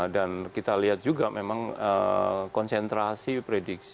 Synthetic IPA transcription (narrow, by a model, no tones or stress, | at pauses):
dankit̪aliɦat̪̚d͡ʒuɡamemaŋə̰kɔnsɛnt̪ɾasipɾedɪk̚s